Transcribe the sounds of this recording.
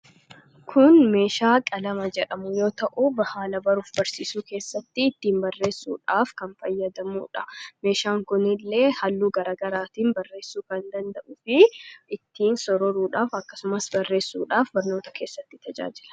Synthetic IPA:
kʰʊnme̞ːʃaːkʼɐlɐmɐd͡ʒɛᶑɐmʊjo̞ːt̪ɐʔʊbɐhaːlɐbɐɾuːfbɐɾsiːsuːke̞ːsːɐt̪ːɪːt̪ːiːmbɐrːe̞ːsːṵːᶑaːfkɐnfɐjːɐd̪ɐmṵːᶑɐme̞ːʃaːŋkʊnɪlːe̞ːhɐlːuːɡɐɾaːɡɐɾaːt̪iːnbɐrːe̞ːsːuːkɐnd̪ɐnd̪ɐʔʊfɪɪt̪ːiːnsɔɾɔɾuːᶑaːfɐkːɐsʊmɐsbɐrːe̞ːsːuːᶑaːfbɐɾno̞ːt̪ɐ̥kʰe̞ːsːɐt̪ːɪ̥t̪ʰɐd͡ʒa̰ːd͡ʒɪlɐ̥

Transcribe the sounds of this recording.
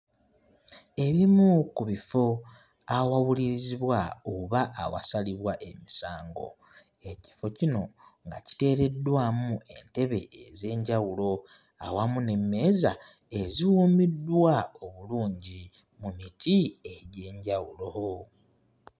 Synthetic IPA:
e̞βimukuβifo̞ | awawuliɾiziβwaoβaʔawa̰saliβwaʔe̞misaːŋɡo̞̰ | e̞ci̥fo̞cino̞ŋɡaci̥te̞ːɾe̞dwaːmuʔe̞̰nte̞βe̞̰eze̞ːɲɟawulo̞ | a̰wamune̞mːe̞ːza | e̞ziwuːmidːwao̞βuluːɲɟi | mumitʰie̞ɟe̞ːɲɟawulo̞o

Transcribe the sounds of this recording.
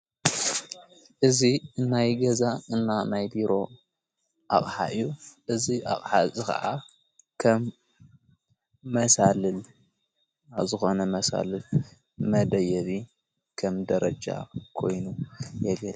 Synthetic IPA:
ʔɨziɨnːajɡɐzaɨnːanajbiɾo̞ | ʔa̰χʼħa̰ʔɨjːuʔɨziʔa̰χʼħazʼɨkɐ̰ʔa | kʰɐm | ɐsalɨl | aβzɨxo̞nɐmɐsa̰lɨl | mɐd̪ɐjɐβi | kʰɐmd̪ɐɾɐd͡ʒa̰kʰo̞jnujɛɡɐl

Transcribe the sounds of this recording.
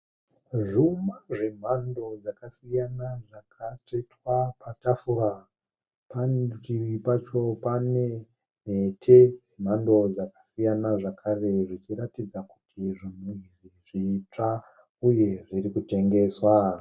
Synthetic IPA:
ʐumaʐe̞m̤ando̞d͡zakasijanaʐakʰatetwapatafuɾa | pant͡ʃiripat͡ʃo̞pane | netʰejem̤ando̞d͡zakḁsijanaʐakʰare̞ʐit͡ʃiɾatid͡zaku̥tʰiʐinwuiriʐiːt͡ʂa | uje̞ʐiɾikute̞ŋɡe̞ːswa

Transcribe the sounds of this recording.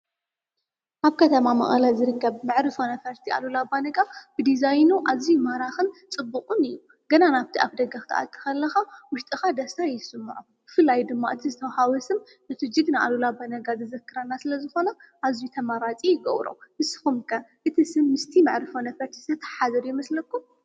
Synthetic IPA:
ʔaβkʰɐt̪ʰɐmamɐ̰χʼɐ̰lazɨɾɨkʰːɐβmɨʕɾɨfonɐfɐɾt̪ʰiʔa̰lulabanɐɡab̥ɨd̪izajnuʔazijumɐɾaxɨnt͡sʼɨbːukʼunɨjːu | ɡɐnanaβt̪ʰiʔaβd̪ɐɡaxt̪ʰɐ̰ʔa̰t̪ʰːɨ̥xɐlːɐxawʊʃt̪ʼɨxad̪ɐst̪ʰajsɨmːʕu | b̥ɨfɨlːajd̪ɨmːaʔɨt̪ʰizɨt̪ʰɐwhawɔsɨm | ɨt̪ʰɨd͡ʒɨɡnaʔa̰lulabanɐɡazɨzɐkːɨɾanːasɨlɐzɨxo̞nɐʔazijut̪ʰɐmaɾat͡sʼijɪɡɐ̰wɾo̰mɨsɨ̥xumkʰɐʔɨt̪ʰisɨmːɨst̪ʰimɨʕɾɨfonɐfɐɾt̪ʰi̥sʰɐt̪ʰɐ̥ħazɐɾjɛmɐslɐkːum

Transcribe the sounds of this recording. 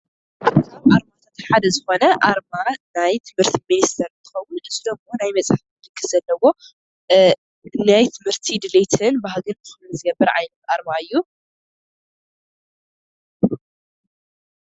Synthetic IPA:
kʰaβʔaɾmat̪ʰat̪ħad̪ɐzɨxo̞nɐʔaɾmanajt̪ʰɨmhɨɾt̪ʰiminist̪ʰɐɾɨnt̪ʰɨ̥xɐwːʊnʔɨzɨd̪omonajmɐt͡sʼħat̪d̪ɨkʰːɨz̥ɐlːɐwo̞ | najt̪ʰɨmhɨɾt̪ʰid̪ɨlet̪ʰɨnbahɡɨnbɨxɨluzɨɡɐbːɐɾʕa̰jnɐt̪ʔaɾmaɨjːu

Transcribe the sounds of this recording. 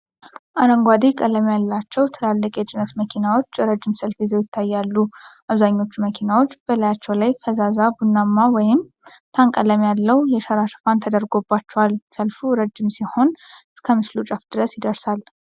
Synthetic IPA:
ʔaɾəŋɡʷad̪ikʼələmjalːat͡ʃːɛwt̪ʰɨlalːəkʼɛt͡ʃʼɪnət̪məkʰinawo̞t͡ʃːjɛɾəd͡ʒːɪmsəlfizɛwjɪt̪ʰːajːalːuʔaβzaɲːo̞t͡ʃːuməkʰinawo̞t͡ʃːb̥əlajat͡ʃːɛwlajfəzazabunːamːawɔjɪm | t̪ʰaŋkʼələmjalːəwjɛʃəɾaʃɨ̥fant̪ʰəd̪əɾɡo̞bːat͡ʃːɛwalsəlfuɾəd͡ʒːɪmsiho̞nɨskʰəmɨslut͡ʃʼafd̪̥ɨɾəsjɪd̪əɾsal

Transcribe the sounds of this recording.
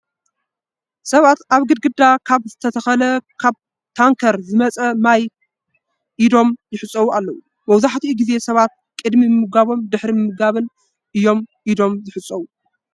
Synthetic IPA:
sɐβat̪aβɡɨd̪̚ɡɨd̪ːakʰaβzɨt̪ʰɐt̪ʰɐxɐlɐkʰaβ | t̪ʰaŋkʰɐɾzɨmɐt͡sʼɐmaj | ʔid̪o̞mjɪħɨt͡sʼːɐwualːɐwu | mɐwzaħt̪ʰiuɡize̞sɐβat̪̚kʼɨd̪mimɨmɨɡaβo̞md̪ɨħɾimɨmːɨɡaβɨn | ʔɨjːo̞mʔid̪o̞mzɨħɨt͡sʼːɐwu

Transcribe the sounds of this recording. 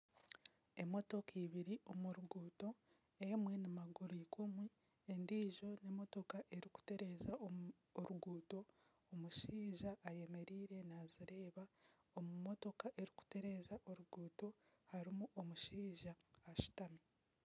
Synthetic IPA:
e̞mo̞to̞kiːβiɾiʔomuɾuɡuːto̞ | emwe̞nimaɡuɾiːkumwi | endiːʒo̞ne̞mo̞to̞kaʔe̞ɾiku̥te̞ɾe̞zaː | ɾuɡuːto̞ː | muʃiːʒaʔːje̞me̞ɾiːɾe̞naziɾe̞ːβa | omumo̞to̞kaʔe̞ɾiku̥te̞ɾe̞ːzaʔo̞ɾuɡuːto̞haɾimuʔomuʃiːʒaːʃi̥tami

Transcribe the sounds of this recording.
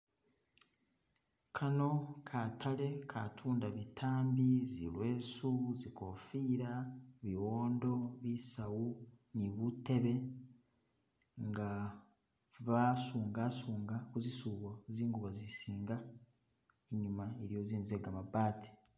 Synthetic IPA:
kʰano̞kʰatʰale̞kʰatʰuːndaβitʰaːmbizilwe̞ːsuzikofiːɾaβiwoːndo̞βisawu | niβute̞βe̞ | ŋɡa | βasuːŋɡasuːŋɡakuzisuːβoziːŋɡuβazisiːŋɡa | eɲumaeɾijo̞ziːnzueɡamabaːti̥

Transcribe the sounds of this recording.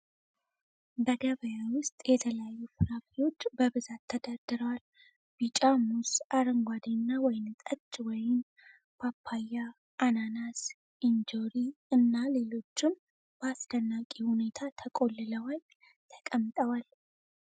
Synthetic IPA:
bəɡəβəjawʊst̪ʼjɛt̪ʰələjajːufɨɾafiwo̞t͡ʃːbəβɨzat̪ʰːəd̪ad̪̥ɨɾəwal | bit͡ʃʼamusʔaɾəŋɡʷad̪ənːawɔjɪnt̪ʼət͡ʃːwɔjɪm | pʰapʰːajːa | ʔːnanas | ind͡ʒoɾiɨnːale̞lo̞t͡ʃːɪm | b̥əasd̪ənːakʼihune̞t̪ʰat̪ʰəkʼo̞lːɨləwal | t̪ʰə̥kʼəmːt̪ʼəwal

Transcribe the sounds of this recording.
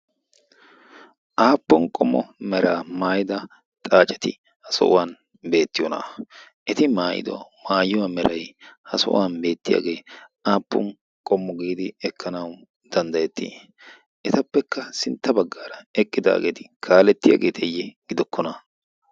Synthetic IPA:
ʔaːpːɔnkʼɔmːɔ̰mɛɾaːmaːjɪd̪ɐ | t̪ʼaːt͡ʃʼɛt̪ɪ | hɐsɔ̰ʔʊ̰waːn | be̞ːt̪ːɪjɔna̰ | ʔɛt̪ɪmaːjɪ̰d̪ɔ̰maːjʊwaːmɛɾɐjhɐsɔ̰waːnbe̞ːt̪ːɪja̰ːɡe̞ːʔaːpːɔ̰n | kʼɔmːɔɡiːd̪ɪɛkʰːɐnɐw | d̪̥ɐnd̪ɐjɛt̪ʰːḭː | ʔɛt̪ɐpːɛkːɐsɪnt̪ːɐbɐɡːaːɾɐɛkʼːɪd̪a̰ːɡḛːt̪ɪ̥kʰaːlɛt̪ːɪja̰ːɡe̞ːt̪ʰɛjːɛɡ̥ɪd̪ɔkːɔnɐ

